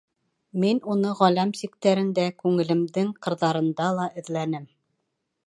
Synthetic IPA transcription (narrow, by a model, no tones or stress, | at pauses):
minunɤʁælæmsikt̪æɾɘ̆nd̪ækʉŋɘ̆lɘ̆md̪ɘŋqɤ̆ɾðɑɾɤ̆nd̪ɑlˠɑʔɘ̆ðlænɘm